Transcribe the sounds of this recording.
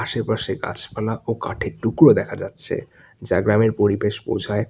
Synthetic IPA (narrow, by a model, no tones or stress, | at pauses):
aʃepaʃeɡa̰t͡ɕʰpalaʔoka̰ʈʰeɾʈukɾod̪ɛkʰad͡ʑatːɕʰḛ | d͡ʑaɡɾameɾpoɾibeʃpo̰wd͡ʑʱae